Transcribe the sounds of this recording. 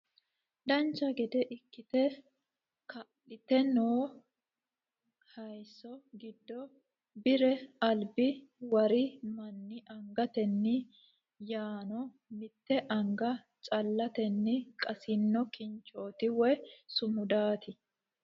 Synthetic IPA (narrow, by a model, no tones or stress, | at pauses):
d̪ɐnt͡ʃːɐɡɛd̪ɛʔɪkːɪt̪ɛ | kɐʔɪt̪ɛnoː | hɐjsːɔɡɪd̪ːɔ | bɪɾɛɐlbɪwɐɾɪmɐnːɪʔɐŋɡɐt̪ɛnːɪ | jaːnɔ | mɪt̪ːɛʔɐŋɡɐ | t͡ʃʼɐlːɐt̪ɛnːɪkʼɐsɪnːɔkɪnt͡ʃːo̞ːt̪ɪwɛsʊmʊd̪aːt̪ɪ